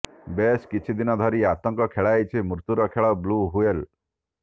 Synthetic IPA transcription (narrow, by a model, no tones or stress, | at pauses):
beskit͡ʃʰid̪inɔd̪ʱɔɾiat̪ɔŋkɔkʰeɭajt͡ʃʰimɾut̪uɾɔkʰeɭɔbluɦuel